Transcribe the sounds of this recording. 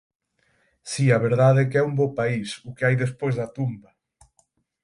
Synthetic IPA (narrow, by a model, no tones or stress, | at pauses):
siɐβeɾðaðɛkɛumbopaisʊkɪajðespojzðɐt̪umbɐ